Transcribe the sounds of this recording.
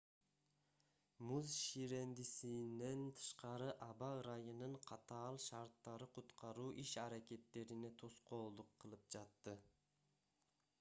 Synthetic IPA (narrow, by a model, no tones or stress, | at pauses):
muzʃiɾe̞nd̪isine̞nt̪ʰɯ̥ʃqɑɾɯʔɑbɑɯɾɑjɯnɯɴqʰɑt̪ɑːlˠʃɑɾt̪ːɑɾɯqʰut̪qʰɑɾuːʔiʃɑɾakʲe̞t̪ːe̞ɾine̞t̪ʰo̞sqo̞ːlˠd̪uqʰːɯlˠɯp̚d͡ʒɑt̪ːɯ